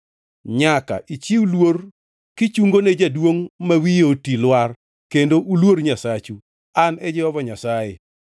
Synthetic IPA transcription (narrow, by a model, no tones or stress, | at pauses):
ɲaka̰ʔit͡ʃiwulwor | kɪt͡ʃuŋɡoned͡ʒadwoŋmawijotilwar | kendoʔulwoɾɲasat͡ʃu | anɛd͡ʒɪwɔvɔɲasaje